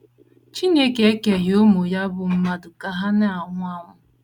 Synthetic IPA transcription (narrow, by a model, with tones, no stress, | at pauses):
t͡ʃi˦ne˦ke˦e˦ke˨ɦo˦mo˨ja˦bʊ˨m̩˦ma˦dʊ˨ka˨ɦa˦na˦a˨ŋʷʊ˦a˦ŋʷʊ˦